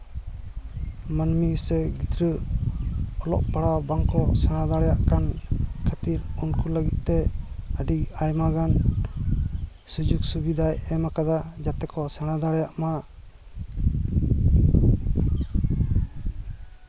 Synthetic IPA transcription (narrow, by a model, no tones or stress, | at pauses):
manmisɛɡid̪ɾə | ɔlɔ̰ʔpaɽabaŋkɔsɛɽ̃ad̪aɽɛjaʔkankʰat̪iɾunkuləɡit̪̚ˀt̪ɛəɖiajmaɡan | sud͡ʒuksubid̪ajɛmakad̪ad͡ʒat̪ɛkɔsɛɽ̃ad̪aɽɛjaʔma